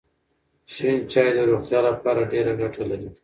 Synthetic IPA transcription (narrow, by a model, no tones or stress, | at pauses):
ʃint͡ʃɑːjed̪əɾoxt̪jɑlapɑɾaɖeɾaɡaʈʰalawi